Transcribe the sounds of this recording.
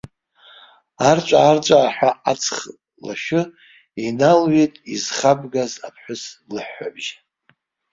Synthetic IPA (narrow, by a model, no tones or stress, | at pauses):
art͡ʃʷʼaːrt͡ʃʷʼaːħʷᶣaʔat͡sʰχ | la̰ʃɨ | inalɥetʼizχabɡazapʰħʷʊslɨħːabʒ